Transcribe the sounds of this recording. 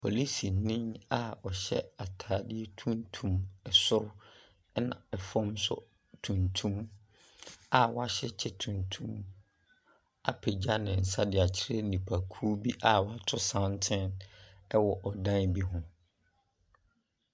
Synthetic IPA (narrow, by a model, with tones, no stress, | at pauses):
pʰo̰˨li˦si˨nĩ˦na˨ɔ˨ɕɛ̰˦a˨tʰaː˨dɪ˦e˦tʰũ˦ntʰũ˨mɛ˨sʊ˦ɾʊ˦ | nã̰˨ɛ˨fɔ̃˦msʊ̰˨ | tʰũ˨ntʰũ˦m | a˨wa˦ɕɛ˦t͡ɕʰɛ˦tʰũ˨ntʰũ˦m | a˨pʰe˨d͡ʑa˦nɪ̃˨n̩˨sa˦dɪ˨a˨t͡ɕʰɪ˦ɾe˦nĩ˨pʰa˨kʰuː˦bi˦ʔa˨wa˦tʰʊ˦sã˦ntʰɪ̃˦nɛ˦wɔ˨ʔɔ˨dã˦nbi˦ɦʊ̃˦